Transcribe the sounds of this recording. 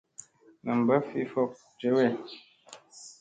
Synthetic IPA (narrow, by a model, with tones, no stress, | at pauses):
nə˨m̩˨bə˦fi˦fɔ˦k̚ | t͡ʃə˦wɛ˦˨